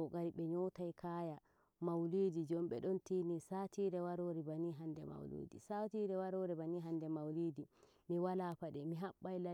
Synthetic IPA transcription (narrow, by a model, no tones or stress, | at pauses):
ɔɡaɾiɓɛɲɔtajkʰaːja | mawliːdid͡ʒɔmɓɛ̰ɗɔntiːnisaːtʰiːɾɛwaɾoːɾibaniɦandɛma̰wlḭːdḭsatiɾɛwaɾoːɾɛbaniɦandɛmawliːdi | miwalaːpaɗɛmiɦaɓːajla